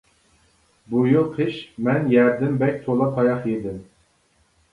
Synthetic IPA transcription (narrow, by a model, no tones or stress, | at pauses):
bujulˠqʰɨʃmɛnjæɾd̪ɪmbɛkʲt̪ʰolˠɑp̪ʰɑjɑχjed̪ɪm